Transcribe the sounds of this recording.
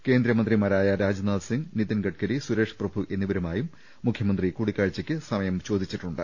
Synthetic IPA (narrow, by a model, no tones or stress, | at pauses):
ke̞ːnd̪ɾɐmɐnd̪rimɐɾaːjɐɾaːd͡ʑnaːlsiŋɡnit̪ːɐnɡɐʈkɐɾisuɾe̞ːʂprɐbʱuʔe̞nːiʋɐɾɐmaːjumː | ukʰjɐmɐnd̪rikuːɽikːaːɻt͡ɕːɐkʲːɨsɐmɐjɐmt͡ɕo̞ːd̪it͡ɕːiʈːuɳɖɨ